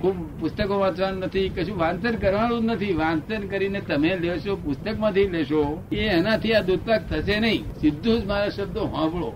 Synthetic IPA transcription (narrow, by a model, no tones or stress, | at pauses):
kʰubpʊst̪əkõʋãt͡ʃʋannət̪ʰikəʃũʋãnsənkəɾʋãɽ̃ũnət̪ʰiʋãnsənkəɾinet̪əmeleʃopʊst̪əkmãt̪ʰileʃoeɛnãt̪ʰiad̪ud̪̚pak̚t̪ʰəʃenəɦĩsɪd̪ʱːũd͡ʒmaɾaʃəb̚d̪oɦãbɭo